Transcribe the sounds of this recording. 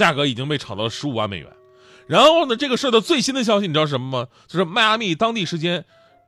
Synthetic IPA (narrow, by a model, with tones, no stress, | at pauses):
ja˥˩kɤ˧˥i˨˩t͡ɕi˥ŋpe˥˩ɪʈ͡ʂʰɑ˨˩ʊd̪ɑ˥˩lə˧ʂɻ̩˧˥u˨˩wa˥˩mḛ˨˩ɪɥɛ̰˧˥n | ɻa˧˥nxoxo˥˩ʊnə˩ʈ͡ʂɤ˥˩ɡə˩ʂ̩˥˧˥d̪ə˧t͡swe˥˩ɪɕi˥nd̪ə˨ɕ̬jɑ˥ʊɕ̬i˧ni˨˩ɑ˥˩˥ʂə˧˥mə˧mə˨t͡ɕjo˥˧ʊʂɻ̩˥˧ma˥˧a˥mi˥˩t̪ɑ˥ŋt̪̬i˥˩ʂɻ̩˧˥t͡ɕjɛ˥n